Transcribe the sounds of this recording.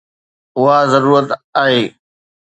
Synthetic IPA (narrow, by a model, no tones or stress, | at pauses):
ʊɦazəɾuːɾət̪aːɦeː